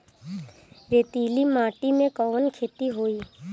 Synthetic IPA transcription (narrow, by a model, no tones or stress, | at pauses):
ɾeːt̪iːlimaːʈimẽkɔʋənkʰeːt̪iɦoːiː